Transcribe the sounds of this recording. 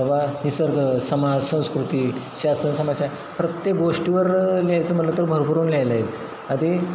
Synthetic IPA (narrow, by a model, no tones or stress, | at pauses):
ʋanisəɾɡʱəsəmad͡zsə̃w̃skɾut̪iɕasənsəmaɕa | pɾət̪jek̚ɡoʂʈiʋəɾlajt͡səːm̤əʈlət̪əɾbʱəɾbʱəɾuːnljajlail | ad̪i